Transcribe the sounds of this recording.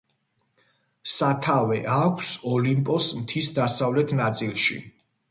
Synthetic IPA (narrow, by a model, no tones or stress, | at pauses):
sat̪ʰavɛʔakʷʰsɔlimpʼɔsmt̪ʰisd̪asavlɛt̪ʰnat̪sʼilˠʃḭ